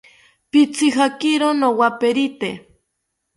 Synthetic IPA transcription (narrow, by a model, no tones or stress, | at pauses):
pit͡siɦakiɾonowapeɾit̪e